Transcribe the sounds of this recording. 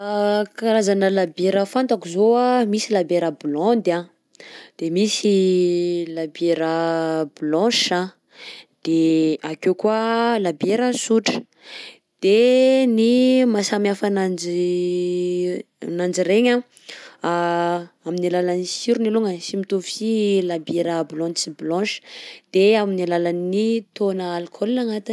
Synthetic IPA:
kaɾazanəlabeɾəfant̪akuzoamisilabeɾəblɔ̃nd̪a | d̪̥emisi | labeɾəblɔ̃ʃa | d̪̥eakekualabeɾəsuʈ͡ʂə̥ | d̪̥enimasamiafanad͡ʒi | nand͡ʒiɾeɲa | a | aminilalanisiɾuniluŋəʃimit̪usilabeɾəblɔ̃nt͡siblɔ̃ʃə̥d̪̥eaminilalanːit̪onəalkʰolnaŋat̪i

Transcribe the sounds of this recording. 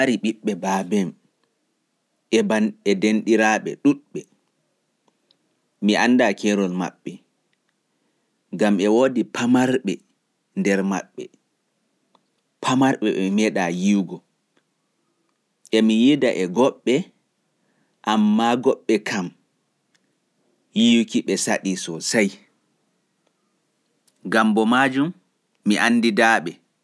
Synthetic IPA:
aɾiɓiɓːɛbabɛm | ɛbaɛdenɗiɾaɓɛɗuɗɓɛ | miʔanːdakʰɛɾɔlma̰ɓːɛ | ɡamɛwoːdipʰamaɾɓɛ | ndɛɾma̰ɓːɛ̰ | pʰamaɾɓɛɛmɛɗajiwɡɔ | ʔɛmijidaʔɛɡɔɓːɛ | ʔamːaɡɔɓːɛkʰam | jiwkiɓɛsaɗisɔsaj | ɡambɔmaːd͡ʒumː | iʔanːdidaɓɛ

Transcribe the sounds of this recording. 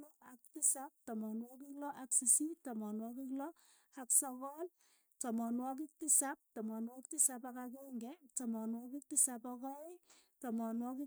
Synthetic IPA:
nɔak̚tisap̚tɔmɔnwɔkiklɔʔaksisitamɔnwɔkiklɔ | haksɔkɔl | tɔmɔnwɔk̬ik̚tisap̚tɔmɔnwɔktɪsapakakuŋɡɛtamɔnwɔk̬ɪk̚tɪsapɔkɔetɔmɔnwɔki

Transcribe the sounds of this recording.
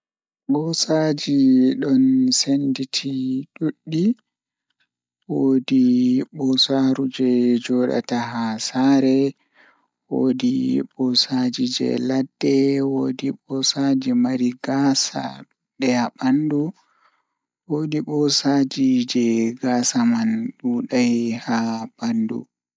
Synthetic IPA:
ɓɔsad͡ʒiɗɔnsenditʰiɗuɗːi | wodiɓɔsaɾud͡ʒɛd͡ʒɔɗa̰taɦasaːɾɛ | wo̰diɓɔsad͡ʒid͡ʒɛ̰ladːɛwoːdiɓɔsad͡ʒɛmaɾiɡasa̰ | ɗɛaɓandu | woːdiɓɔsad͡ʒid͡ʒɛɡaːsamanɗuɗajhabandṵ

